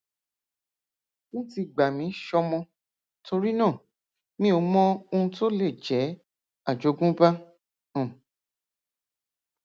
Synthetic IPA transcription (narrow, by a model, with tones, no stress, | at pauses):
ũ˦ti˧ɡ͡ba˨mĩ˨˦ʃɔ˧mɔ̃˧ | to˧ɾi˦nã˦˨ | mĩ˦o˨˧˦mɔ̃˦o˧ũ˧to˦le˦˨d͡ʒɛ˨˦ | a˦˨d͡ʒo˨˦ɡũ˦ba˦ | ũ˨